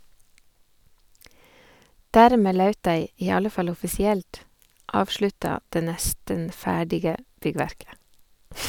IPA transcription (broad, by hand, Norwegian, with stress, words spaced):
ˈdæːɾˌmeː ˈlɑʉt ˈdæɪ ˈiː ˈɑlə ˈfɑl ɔfɪsɪˈɛlt ˈɑːʋʃɭʉtɑ ˈdeː ˈnɛstən ˈfæːɖɪɡə ˈbʏˌɡʋæɾkə